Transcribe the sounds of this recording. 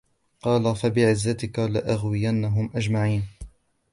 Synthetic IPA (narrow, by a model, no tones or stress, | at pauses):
qɑːlafabɪʕɪzːat̪ɪkalaʔaɣwɪjanːaɦʊmʔad͡ʒmaʕiːn